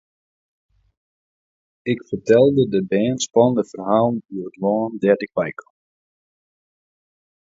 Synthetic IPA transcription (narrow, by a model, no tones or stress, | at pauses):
ɪkfərtɛlˠdədəbɛːnspɔndəfərɦaːlˠnyədwɔːndɛrtɪkʋɛjkʰə